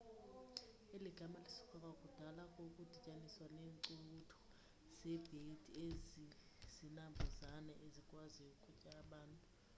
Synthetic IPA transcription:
eliɡ̥ʱamalisu̥kʰɔk̬ʼak̬ʼud̥ʱalakʼok̬ʼud̥ʱicʼaniswaneːŋǀutʰɔ̥ | z̥ɛb̥ʱed̥ʰʱiezi | z̥inambʱuzanɛʔezikʼwaziukʰʼucʼaːɓaːntʼu

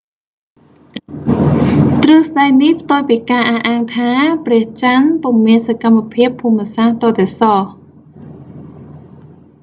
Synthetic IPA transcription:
t̪rɨhsɗajnihpʰt̪oːjpiːkaːʔahʔaːŋt̪ʰaːprɛ̆əht͡ɕanpumiənsakamːapʰiəpʰːuːmːə̆saht̪ɑːt̪ɛsɑh

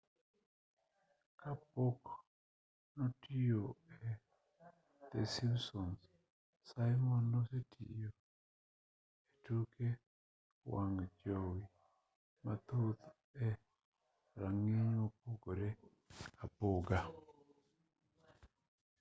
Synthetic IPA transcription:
kapok | nɔtijoɛ | t̪ḛsimsɔns | sajmɔnːɔsetʰḭjo | etuke | waŋd͡ʒowi | mat̪ot̪ | ɛ | ɾaŋiɲopoɡoɾe | apoɡa

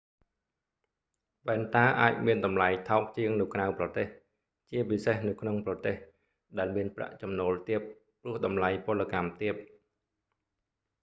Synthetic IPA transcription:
ʋɛɛnt̪aːʔaːc̚miənɗɑmlajt̪ʰaɔk̚t͡ɕiəŋnɨwkrawprɑt̪eːh | t͡ɕiəpisehnɨwkʰnoŋprɑt̪eːh | ɗaɛlmiənpra̰ʔt͡ɕɑmnoːlt̪iəp̚ː | rʊ̆əhɗɑmlajpʊ̆əlːəkamt̪iəp̚

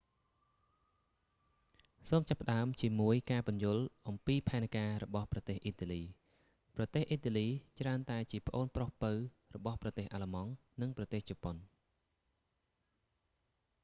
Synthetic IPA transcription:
soːmt͡ɕapːə̆ɗaəmt͡ɕiəmuəjkaːpʊnjʊ̆əlʔɑmpiːpʰaɛnkaːɾɔɓɑhprɑt̪eːhʔiːt̪aːliː | prɑt̪eːhʔiːt̪aːliːt͡ɕraənt̪aɛt͡ɕiəpə̆ʔoːnprohpɨw | rɔɓɑhprɑt̪eːhʔalamɑŋ | nɨŋprɑt̪eːht͡ɕɑːpon

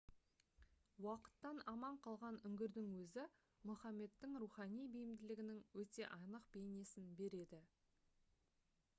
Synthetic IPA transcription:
wɑqə̥t̪ːɑnɑmɑɴqʰɑlˠʁɑnʏŋɡʲɪɾd̪ɪŋwɵzɪ | mʊχɑme̞t̪ːɪŋɾuχɑnijbijɪmd̪ɪlɪɡʲɪnɪŋwɵt̪e̞ʔɑnəqbe̞jne̞sɪnbe̞ɾe̞d̪ɪ

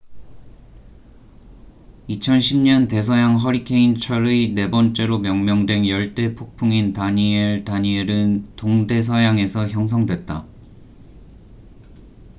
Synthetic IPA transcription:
it͡ɕʰʌnɕʰimɲʌnte̞s̬ʰʌjaŋɦʌɾikʰe̞int͡ɕʰʌɾɯne̞bʌnt͡ɕ͈e̞ɾomjʌŋmjʌŋdwe̞njʌɭt͈e̞pʰok̚pʰuŋintaɲietaɲieɾɯntoŋde̞s̬ʰʌjaŋe̞sʰʌçjʌŋs̬ʰʌŋdwe̞t̚t͈a

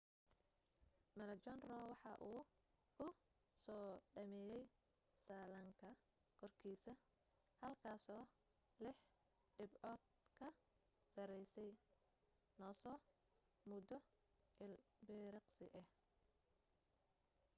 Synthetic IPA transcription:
mɐnɐt͡ʃɔnrɔwɑħɑʔuːkʰʊ | sɔːɖɐmɛːjɛj | saːlɐŋkʰɐ | kʰɔrkʰiːsɐ | hɐlkʰaːsɔː | lɪħ | ɖɪbʕɔːd̪̚ | kʰɐ | sɐɾɛjsɛj | nɔːsɔː | mʊd̪ɔ | ʔɪlbɪɾɪqsɪ̰ʔɛh

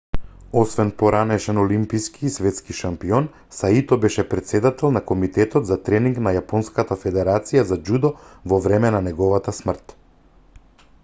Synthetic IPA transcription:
ɔsvɛnpɔɾanɛʃɛnɔlimpiskiːsvɛt̪skiʃampiɔn | sait̪ɔbɛʃɛpɾɛt̪sɛd̪at̪ɛlˠnakɔmit̪ɛt̪ɔt̪zat̪ɾɛniŋɡnajapɔnskat̪afɛd̪ɛɾat̪sijazad͡ʒud̪ɔvɔvɾɛmɛnanɛɡɔvat̪asmr̩t̪

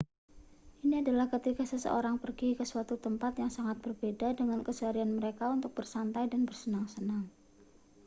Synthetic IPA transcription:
ʔiniadalahkət̪ikasəsə̰ʔoɾaŋpərɡikəsuwat̪ut̪əmpat̪jaŋsaŋat̪̚b̥ərbedadəŋankəsuaɾianməɾekaunt̪ʊk̚b̥ərsant̪ajdanbərsənaŋsənaŋ

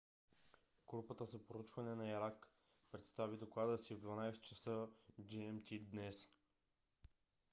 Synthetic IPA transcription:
ɡ̥ɾupət̪əzəpoɾut͡ʃvɐnɛnɐiɾak | pɾɛt̪st̪avid̪oklˠad̪əsivd̪vanajst̪t͡ʃəsəd͡ʒiɛmt̪ʲid̪nɛs

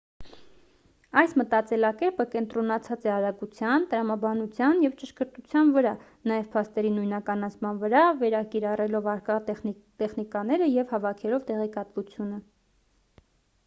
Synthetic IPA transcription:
ɑjsmət̪ɑt͡sɛlɑkɛɾpəkɛnt̪ɾɔnɑt͡sʰɑt͡sɛɑɾɑkut͡sʰjɑnt̪əɾɑmɑbɑnut͡sʰjɑnjɛvt͡ʃəʃkəɾt̪ut͡sʰjɑnvəɾɑ | nɑjɛv̥pʰɑst̪ɛɾinujnɑkɑnɑt͡sʰmɑnvəɾɑvɛɾɑkiɾɑrɛlɔvɑɾkɑ | t̪ɛχnikɑn̪ɛɾəjɛvhɑvɑkʰɛlɔvt̪ɛʁɛkɑt̪vut͡sʰjunə

